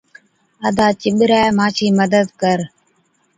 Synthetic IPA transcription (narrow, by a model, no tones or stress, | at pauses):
əd̪aːt͡ʃɪɓɾɛːmãːt͡ʃʰiːməd̪əd̪kəɾ